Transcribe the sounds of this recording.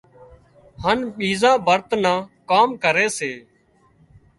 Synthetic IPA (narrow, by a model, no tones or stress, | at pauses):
hənɓiːzãːbʱəɾt̪nãːkaːmkəɾeːseː